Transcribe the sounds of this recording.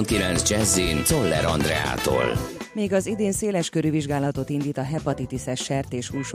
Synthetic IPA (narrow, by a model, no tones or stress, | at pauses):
nkilɛnzd͡ʒɛzːinsolːɛ̰ɾɒnd̪rɛa̰ːt̪o̰ːlmeːɡɒzid̪eːnseːlɛʃkøɾyviʒɡaːlɒt̪o̞t̪ind̪iːt̪ɒɦɛpɒt̪it̪isɛʃɛrt̪eːʃuːʃ